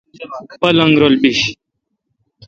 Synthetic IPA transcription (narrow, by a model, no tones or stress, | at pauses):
pɐlɐ̃ŋɡɾolbiɕ